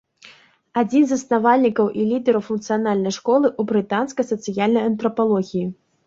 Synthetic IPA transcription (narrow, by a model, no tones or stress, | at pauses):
ad͡zʲinzɐsnavalʲnʲikɐwʔilʲid̪ɛɾɐwfunk̚t̪sɨjanalʲnɐjʂkɔlˠɨʔubɾɨt̪anskɐjsɐt̪sɨjalʲnɐjɐnt̪ɾɐpalˠɔɣʲiji